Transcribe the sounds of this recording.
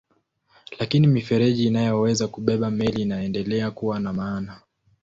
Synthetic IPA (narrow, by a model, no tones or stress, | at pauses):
lakinimifɛɾɛʄiːnajɔwɛzakuɓɛɓamɛliːnaɛndɛlɛakuwanamaːna